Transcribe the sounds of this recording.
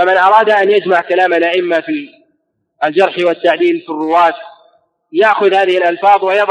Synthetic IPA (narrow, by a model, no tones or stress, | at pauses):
famɪnʔɑɾˤɑːd̪aʔanjad͡ʒmaʕkalaːmalʔaʔɪmːafi | ald͡ʒɑɾˤħwɪt̪ːaʕd̪iːlfirːʊwaːt̪ | jaʔxʊðhaːðɪhɪlʔalfɑːðˤwɪjɑðˤ